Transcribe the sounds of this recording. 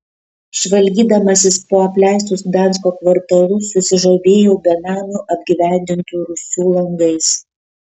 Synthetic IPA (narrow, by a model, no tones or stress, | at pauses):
ʃʋɐlʲˑɡʲiːd̪ɐmɐsʲɪspoːɐpʲlʲæˑɪs̬t̪ʊsd̪ɑˑns̬koːkʋɐɾt̪ɐlˠʊsʊsʲɪʒoːʋʲeːjoːbʲɛnɑːnʲuʔɐbʲɡʲiʋʲæˑnʲd̪ʲɪnt̪uːɾʊsʲuːlˠɐŋɡɐɪs